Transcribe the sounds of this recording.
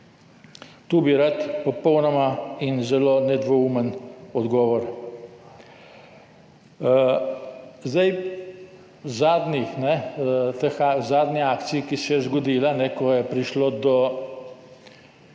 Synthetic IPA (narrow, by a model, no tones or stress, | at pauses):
t̪uːbiɾat̪pɔpɔwnɔmainzɛlonɛd̪ʋɔumənɔd̪ɡɔːʋɔɾ | zd̪aj | zaːd̪nixnɛt̪əxazaːd̪niaːkt̪sijkisɛjɛzɡɔd̪iːlanɛkɔjɛpɾiʃlod̪ɔ